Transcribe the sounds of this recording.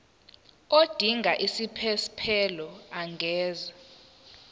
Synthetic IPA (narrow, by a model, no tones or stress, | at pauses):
od̥ʱiŋʱaʔisipʰɛspʰɛlɔaŋɡʱɛːza